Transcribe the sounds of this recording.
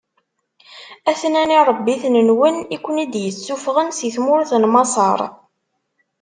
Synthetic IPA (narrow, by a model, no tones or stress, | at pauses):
æθnæniɾˤəbːiθnənwənikʷːənid̪jət͡sːufʁənsiθmʊɾθənmɑsˤɑɾˤ